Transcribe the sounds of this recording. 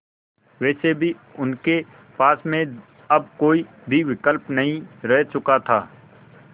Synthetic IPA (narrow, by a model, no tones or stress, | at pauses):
ʋɛːsebʱiʊnke | paːsmẽ | ɐb̚koːi | bʱiʋɪkəlpnɐɦĩɾɛɦt͡ʃʊkat̪ʰa̰ː